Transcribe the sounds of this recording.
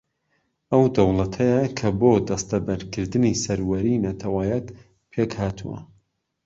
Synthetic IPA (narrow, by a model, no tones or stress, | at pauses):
ɐwd̪ɐwlˠɐt̪ʰɐjɐkʰɐboːd̪ɐst̪ɐbɐɾkʰɨɾd̪ɨnisɐɾwɐɾinɐt̪ʰɐwaːjɐt̪ | pʰeːkhaːt̪ʰuwɐ̰